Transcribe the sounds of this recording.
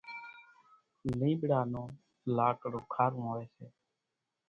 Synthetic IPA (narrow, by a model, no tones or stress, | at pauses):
lĩːɓɪɽaːnõː | laːkɽoːkʰaːɾũːɦoːʋeːseː